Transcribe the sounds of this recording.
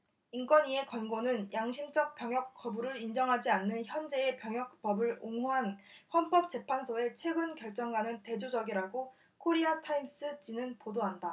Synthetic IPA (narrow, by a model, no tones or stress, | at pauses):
ink͈wʌnie̞kʌnɡonɯnjaŋɕʰimd͡ʑʌk̚p͈jʌŋjʌk̚k͈ʰʌbuɾɯɾind͡ʑʌŋɦad͡ʑianːɯnçjʌnd͡ʑe̞epjʌŋjʌk̚p͈ʌbɯɾoŋuɦanɸwʌnp͈ʌp̚t͡ɕ͈e̞pʰansʰoe̞t͡ɕʰwe̞ɡɯnkjʌɭt͡ɕ͈ʌŋɡwanɯnte̞d͡ʑod͡ʑʌɡiɾaɡo | kʰoɾiatʰaims͈ɯt͡ɕinɯnpodoɦanda